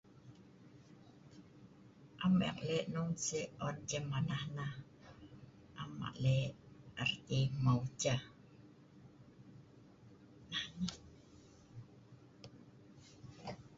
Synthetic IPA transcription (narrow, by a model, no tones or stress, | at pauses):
ʔamɛ̰k̚lɛʔnɔŋsiɔnt͡ʃɛmanahnah | ʔama̰ʔlɛart̪imaut͡ʃa | nahna